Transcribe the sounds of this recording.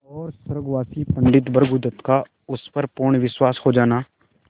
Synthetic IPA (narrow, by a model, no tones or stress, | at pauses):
ɔːɾsəɾəɡʋaːsiːpəɳɖɪt̪bəɾɡʊd̪ət̪kaː | ʊspəɾpʊɳʋɪswaːshoːd͡ʒaːnaː